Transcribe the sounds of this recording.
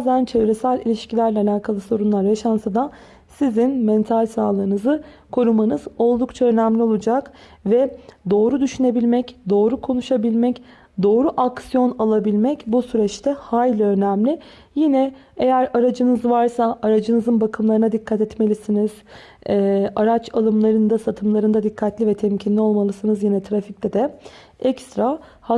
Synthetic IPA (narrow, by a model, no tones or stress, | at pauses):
zd̪ænt͡ʃʰe̞vɾɛsælʲilʲiʃcilʲæɾlʲɛalʲaːkʰalˠɯso̞ɾunlˠaɾjaʃansad̪a | sizinmɛnt̪ʰalʲsaːlˠɯːnɯzɯ | kʰo̞ɾumanɯz̥o̞lˠd̪ukt͡ʃʰaønæmlʲio̞lˠud͡ʒak | vɛd̪o̞ːɾud̪yʃyne̞bilʲmɛcd̪o̞ːɾukʰo̞nuʃabilʲmɛc | d̪o̞ːɾuʔaksijo̞nalˠabilʲmɛcbusyɾɛt͡ʃt̪ʰɛhaːjlʲønæmlʲɪ | jinɛ | ejæɾaɾad͡ʒɯnɯzvaɾsaʔaɾad͡ʒɯnɯzɯnbakʰɯmlˠaɾɯnad̪ikʰːat̪ɛt̪me̞lʲisiniz̥ | aɾat͡ʃʰalˠɯmlˠaɾɯnd̪asat̪ʰɯmlˠaɾɯnd̪ad̪ikʰːat̪lʲivɛt̪ʰɛmcʰinlʲio̞lˠmalˠɯsɯnɯzjinɛt̪ʰɾafict̪ʲɛd̪ɛ | ɛcst̪ɾa | h